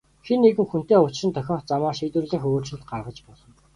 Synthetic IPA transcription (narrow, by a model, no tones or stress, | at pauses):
xenːeɣɘ̆ŋxun̥t̪eːʊt͡ɕʃɪ̆nt̪ʰœxʲɔːχt͡samaːʃiːt̪ɘ̆rɮeːxɵɣoːrt͡ɕɪ̆ɮt̪ɢarʁə̆t͡ɕpɔɮɞ̆